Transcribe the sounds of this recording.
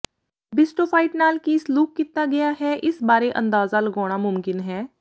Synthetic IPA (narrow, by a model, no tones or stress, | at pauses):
bɪsʈoːpʰaːɪʈnaːlkisluːkːiːt̪aɡɐjaɦɛʔɪsbaːɾeʔə̰̃nd̪aːzaləɡɔːɽ̃amʊmkɪnɦɛː